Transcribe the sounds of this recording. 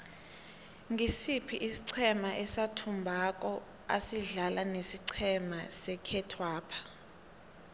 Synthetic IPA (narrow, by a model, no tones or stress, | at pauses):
ŋisipʰiʔisi̥ǀʰɛmaʔɛsatʰumbʱak̬ʼɔ | a̰siɮalanesiǀʰɛmasɛkʰɛtʰwaːpʰḁ